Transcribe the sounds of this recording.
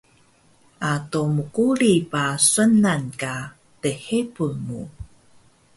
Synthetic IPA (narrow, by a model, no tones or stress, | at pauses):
ʔatomukuɾipaswənanka | təhepumṵ